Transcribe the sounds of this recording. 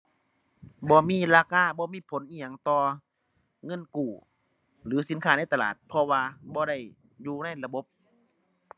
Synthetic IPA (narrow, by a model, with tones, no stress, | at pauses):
bɔː˧miː˧˥˨laː˧kaː˧˩˨bɔː˧miː˧˥˨pʰo˨˦nʔiː˧˨ɐ˨ŋt̪ɔː˧ | ŋɤ˧˥˨nkuː˨˩ | lɯː˨˦si˨˦nkʰaː˧˩na˧˥˨jt̪a˧la̰ː˨˩t̪̚pʰɔ˧waː˧bɔː˧˦ɾa˧˩j | juː˧na˧˥˨jla˧bo˧˦p̚